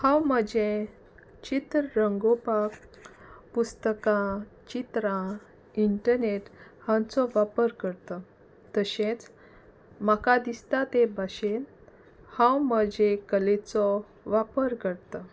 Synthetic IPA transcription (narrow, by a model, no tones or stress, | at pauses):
hãwməd͡ʑẽ | t͡ɕit̪ɾəɾəŋɡopak | pust̪əkãt͡ɕit̪ɾã | iɳʈəɾneʈhãt͡sɔʋapəɾkəɾt̪ə | t̪əɕẽt͡s | makad̪ist̪at̪ebʱaɕen | hãwməd͡ʑekəlet͡sɔ | ʋapəɾkəɽt̪ə